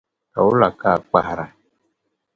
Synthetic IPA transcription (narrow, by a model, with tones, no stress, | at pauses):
ta˨wu˦la˨ka˦˨k͡pa˨hɾa˨